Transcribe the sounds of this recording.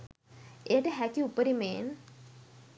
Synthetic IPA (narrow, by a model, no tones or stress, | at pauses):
eʈeɦækːiupːəɾimeːn